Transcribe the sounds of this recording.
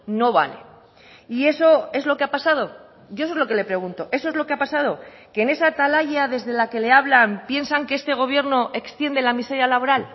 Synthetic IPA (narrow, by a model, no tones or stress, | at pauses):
no̞βa̰le̞̰ | ie̞so̞e̞zlo̞keapasað̞o̞ | ɟ͡ʝos̬oezlo̞ke̞le̞pɾe̞ɣ̞unt̪o̞ʔe̞s̬o̞ezlo̞keapasað̞o̞ | ke̞ne̞sat̪alaʝaðe̞zðe̞lake̞le̞aβlampje̞nsaŋkeest̪e̞ɣ̞o̞β̞je̞ɾno̞ʔe̞kst̪je̞nd̪e̞lamiseɾjalaβo̞ɾal